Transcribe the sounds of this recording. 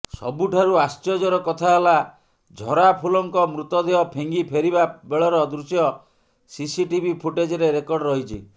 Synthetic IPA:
sɔ̰buʈʰaɾuast͡ʃɔd͡ʒɔɾɔkɔt̪ʰaɦela | d͡ʒʱɔɾapʰulɔŋkɔmɾut̪ɔd̪eɔpʰeŋɡipʰeɾibabeɭɔɾɔd̪ɾusjɔ | sisiʈibʱipʰuʈed͡ʒɔɾeɾekɔɾɖɾɔɦit͡ʃʰḭ

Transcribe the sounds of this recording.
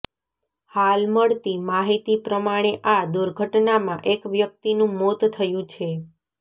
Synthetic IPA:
halməɭt̪imaɦit̪ipɾəmaɽ̃eʔad̪uɾɡʱəʈnamãʔekʋjək̚t̪inũmot̪t̪ʰːəjũt͡ʃʰe

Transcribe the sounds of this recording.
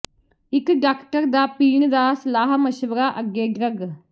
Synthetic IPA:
ɪkɖaːkʈəɾd̪aːpiːɳd̪aːsɐlaːɦməʃʋəɾaːʔəɡeːɡɾəɡ

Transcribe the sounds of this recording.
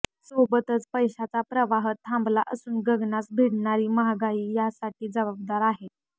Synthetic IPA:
sobət̪ət͡spəjɕat͡sapɾəʋaɦət̪ʰːãmblaʔəsuːnɡəɡnasbʱiɽɳaɾiːməɦaɡaiːjasaʈiːd͡zəbabd̪aɾaɦe

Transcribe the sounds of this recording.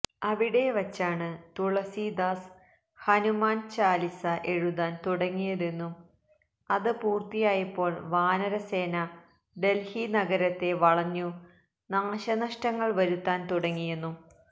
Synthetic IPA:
ɐʋiɽe̞ʋɐt͡ɕːaːɳɨt̪uɭɐsid̪aːs | hɐnumaːnt͡ɕaːlisɐʔe̞ɻuðaːnt̪uɽɐŋːijɐðe̞nːum | ɐðɨpuːrt̪ijaːjɐpːo̞ːɭʋaːnɐɾɐse̞ːnɐ | ɖe̞lhinɐɡɐɾɐt̪ːe̞ʋɐɭɐɲːu | naːɕɐnɐʂʈɐŋːɐɭʋɐɾut̪ːaːnt̪uɽɐŋːijenːu

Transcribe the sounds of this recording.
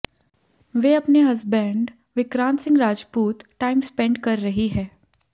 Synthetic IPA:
ʋeːɐpneɦɐzbɛ̃ːɳɖ | ʋɪkɾãːnt̪sɪ̃ŋɡɾaːd͡ʒpuːt̪ʈaːɪmspɛ̃ɳɖkɐɾːɐɦiɦɛː

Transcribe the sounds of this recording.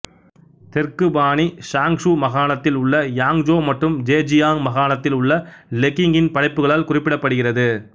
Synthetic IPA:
t̪ɛrkɯbaːnisaːŋʂumɐɣaːɭɐt̪ːɪlʊɭːɐjaːŋd͡ʒoːmɐʈrɯmd͡ʒeːd͡ʒɪjaːŋmɐɣaːnɐt̪ːɪlʊɭːɐlɛkːɪŋɡɪnpɐɽɐɪpːɯɣɐɭaːlkʊrɪpːɪɽɐpːɐɽɯɣɪrɐðɯ

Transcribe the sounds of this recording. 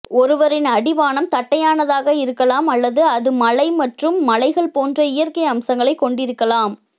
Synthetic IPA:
ɔɾɯʋɐɾɪnɐɽɪʋaːnɐmt̪ɐʈːɐjaːnɐðaːɣɐɪɾɯkːɐlaːmɐlːɐðɯɐðɯmɐlɐɪmɐʈrɯmːɐlɐɪɣɐɭpoːndrɐɪjɐrkɐɪɐmsɐŋɡɐɭɐɪkːɔɳɖɪɾɯkːɐlaːm

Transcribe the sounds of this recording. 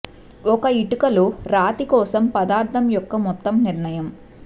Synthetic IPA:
ɔkɐiʈukɐloːɾaːt̪ikɔːsɐmpɐd̪aːɾt̪ʰɐmjɔkːɐmɔt̪ːɐmniɾɳɐjɐm

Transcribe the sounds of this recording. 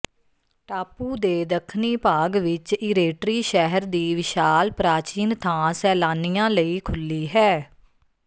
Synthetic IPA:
ʈaːpuːd̪eːd̪əkʰniːpaːɡʋɪt͡ʃɪɾeːʈɾiːʃɛɦəɾd̪iːʋɪʃaːlpɾaːt͡ʃiːnt̪ʰãːsɛːlaːnijãːləiːkʰʊlːiːɦɛː

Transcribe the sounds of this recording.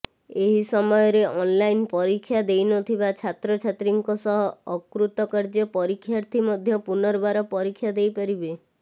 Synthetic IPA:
eɦisɔmɔjɔɾeʔɔnlajnpɔɾikʰːjad̪ejnɔt̪ʰibat͡ʃʰat̪ɾɔt͡ʃʰat̪ɾiŋkɔsɔɦɔːkɾut̪ɔkaɾd͡ʒɔpɔɾikʰːjaɾt̪ʰimɔd̪ʱjɔpunɔɾbaɾɔpɔɾikʰːjad̪ejpaɾibe

